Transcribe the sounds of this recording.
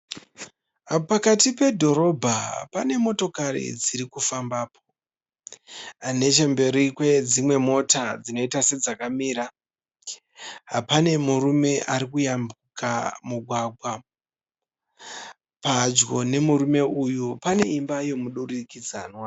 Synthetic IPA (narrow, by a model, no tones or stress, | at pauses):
pakatipe̞dʱo̞ɾo̞bʱapane̞mo̞to̞kaɾḭd͡ziɾikufambaːpʰo | ane̞t͡ʃe̞mbe̞ɾikwe̞d͡zimwe̞mo̞tad͡zino̞itase̞d͡zakamiːɾa | ɦapane̞muɾume̞ʔaɾikujambukamuɡʱwaɡʱwa | pad͡ʒɡo̞ne̞muɾume̞ujupane̞imbajo̞muɗurikid͡zanwa